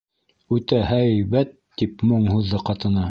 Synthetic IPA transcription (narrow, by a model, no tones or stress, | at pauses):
ʉt̪æhæjβæt̪ːipmoɴhuðːɤqɑt̪ɤ̆nɑ